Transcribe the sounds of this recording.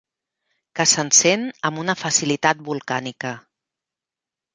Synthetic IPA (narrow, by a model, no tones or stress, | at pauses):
kəsənsenəmunəfəsilit̪at̪̚bulˠkanikə